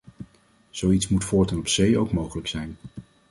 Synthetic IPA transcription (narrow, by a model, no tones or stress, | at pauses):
z̥owitsmutfʊːɹtɛnɔpsejowkmowχələksɛjn